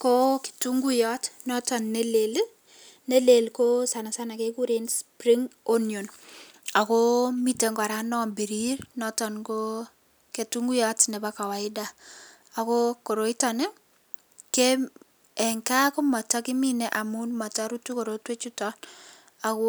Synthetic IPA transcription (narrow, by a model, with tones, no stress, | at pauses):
ko˦ki̥˨tu˦ŋɡu˦jɔtnɔ˦tɔ˨nːe˦le˨l | ne˦le˨lkosa˨na˨sa˦na˨keku˦ɾenspɾiŋo˦njo˨n | a˨komi˦te˨ŋɡa˨ɾa˦nɔ˦mbi˨ɾiɾnɔtɔnko | ke˨tuŋɡu˦jɔ˦tnɛ˨ba˦ka˨wa˨ɪda˨ | a˨ko˦ko˨ɾo˦i˦tɔ˨ne˦ | ke | ɛ˨ŋka˦ko˦mɔ˨ta˦kɪ˦mi˦nɛ˦ʔa˨mu˦nmɔ˨taɾu˦tu˦ko˨ɾotwe˦t͡ʃu˦tɔn | a˨ko˦